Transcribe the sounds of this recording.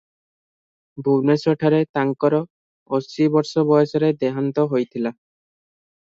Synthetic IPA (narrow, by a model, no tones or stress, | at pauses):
bʱuwnesɔʈʰaɾet̪aŋkɔɾɔ | ɔsibɔɾsɔbɔjɔsɔɾed̪ɛɦant̪ɔɦojt̪ʰila